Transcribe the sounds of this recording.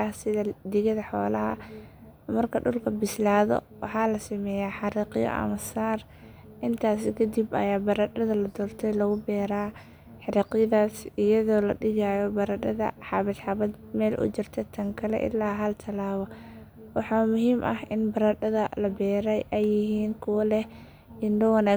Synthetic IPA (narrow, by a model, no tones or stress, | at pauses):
ɐhsɪðɐd̪ɪɣɐðɐħɔ̰ːlɐɦɐ̰ | mɐrkʰɐɖʊlkʰɐbɪslaːðɔ̰ | wɑħɑːlɐsɪmɛːjaːħɑɾiːqɪjɔ̰ʔɐ̰mɐsaːr | ʔɪnt̪ʰaːsɪkʰɐd̪ibɐ̰jaːbɐɾɐdɐðɐlɐd̪ɔːrt̪ʰɛjlɐɣʊbɛːɾaː | ħɑɾiːqjɐðaːsɪjɐðɔːlɐ̰ɖɪɣaːjɔbɐɾɐɖɐðɐ̰ħɑβɪd̪ħɑβɐd̪̚ | mɛːlʔʊ̰t͡ʃɪrt̪ʰɛt̪ʰɐŋkʰɐlɛ̰ʔɪ̰lːaːɦɐlt̪ʰɐlaːβɐ | wɑħɑːmʊɦiːmʔɐhʔɪnbɐɾɐɖɐðɐlɐbɛːɾɛjʔɛjɪɦiːnkʰʊwɐlɛh | ɪndɐwɑnaː